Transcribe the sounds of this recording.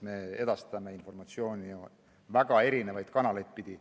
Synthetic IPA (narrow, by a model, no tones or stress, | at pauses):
me̞e̞d̪̥ɑst̪ɑmeinfo̞rmɑt̪sio̞ːnio | væɡ̥ɑe̞ɾine̞vɑjd̪̥kɑnɑlejd̪̚pid̪̥i